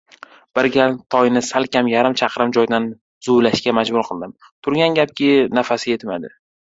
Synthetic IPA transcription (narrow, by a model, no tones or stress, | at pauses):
b̥ɪɾɡʲat̪ʰɒjnɪsalkʲʰamjaɾɪmt͡ʃʰɑqʰɾɪmd͡ʒɒjd̪an | z̥ʊlaʃkʲamad͡ʒbʊɾqʰɨlˠd̪ɪm | t̪ʰʊɾɡʲanɡʲap̚kʲɪnafasɪje̞t̪mad̪ɪ